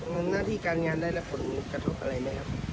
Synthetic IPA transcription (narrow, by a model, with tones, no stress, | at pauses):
naː˥˩t̪ʰiː˧˩kaː˧nŋaː˧ndaː˥˩jlɛ˦˥pʰo˨˩˦nkɾa˧t̪ʰo˦˥p̚ʔa̰˧ɾa˧jmaː˦˥˩kʰa˦˥p̚